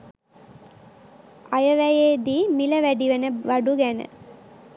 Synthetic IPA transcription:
ajəʋæjeːd̪iːmiləʋæɖiʋənəʋaɖuɡænə̰

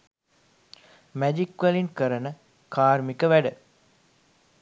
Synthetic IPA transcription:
mæd͡ʒikːʋəliŋkəɾənə | kaːrmikəʋæɖə

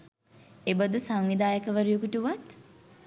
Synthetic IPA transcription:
ebəd̪usaŋʋid̪aːjəkəʋəɾujukuʈuʋat̪

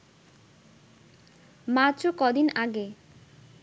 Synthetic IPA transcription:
mat̪ːt͡ɕokɔd̪inaɡe

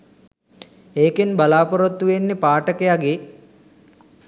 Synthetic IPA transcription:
eːkenbalaːpoɾot̪ːuʋenːepaːʈəkejaɡe

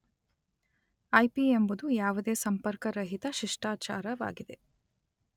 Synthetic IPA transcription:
ɐjpiembud̪ujaːʋud̪eːsɐmpɐɾkɐɾɐɦit̪ɐʃiʂʈaːt͡ʃaːɾɐʋa̰ːɡid̪e

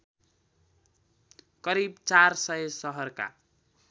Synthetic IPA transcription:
kʌɾibt͡sarsʌjesʌɦʌrka̰

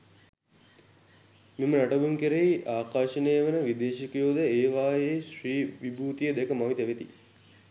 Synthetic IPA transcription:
mimənaʈɐbuŋkeɾeiʔaːkaːʃəneːʋənəʋid̪eːʃikjoːd̪əeːʋaːjeʃɾiːʋibuːt̪ijəd̪ɛkəmaʋit̪əʋet̪ḭ

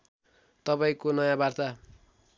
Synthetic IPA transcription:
t̪ʌpaĩkonʌjãbart̪a

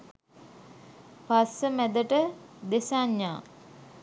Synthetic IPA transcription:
pasəmæd̪əʈəd̪esaɲːaː

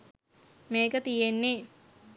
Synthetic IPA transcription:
meːkət̪ijenːi

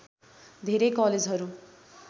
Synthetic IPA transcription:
d̪ʱeɾejkʌled͡zɦʌɾu

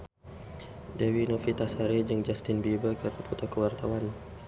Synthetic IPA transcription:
dewinofit̪asaɾed͡ʒɨŋd͡ʒast̪ɪnbibəkərnapɔt̪akəwart̪awan

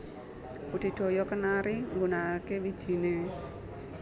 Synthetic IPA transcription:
pud̪̥i̤d̪̥o̤jɔkənaɾiŋɡunakewid̥ʒ̥i̤ne

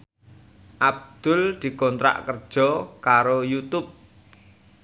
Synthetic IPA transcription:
ʔab̚d̪̥ʊ̤ld̪̥i̤kɔnt̪ɾa̰ʔkərd̥ʒ̥ɔ̤kaɾojut̪ʊp̚

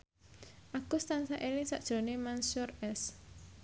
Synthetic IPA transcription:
ʔaɡ̥ʊst̪ansaʔelɪŋsaʔd̥ʒ̥o̤nemansurɛs

